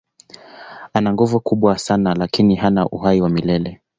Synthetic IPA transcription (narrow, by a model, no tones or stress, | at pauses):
anaŋɡuvukuɓwasanalakiniɦanaʔṵɦaiwamilɛlɛ